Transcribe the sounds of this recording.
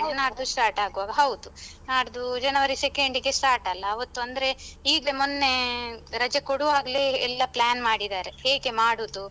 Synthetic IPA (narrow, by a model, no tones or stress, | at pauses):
naːɽd̪usʈaːɾʈaːɡuʋaːɡɐɦɐwd̪unaːɽd̪ud͡ʒɐnɐʋɐɾisekeɳɖiɡesʈaːɾʈɐlːɐːʋɐt̪ːuɐnd̪ɐɾe̞iːɡlemunːe̞ɾɐd͡ʒɐkoɽuʋaːɡɐleɛlːɐplaːnmaːɽid̪aːɾe̞heːɡe̞maːɽuːd̪u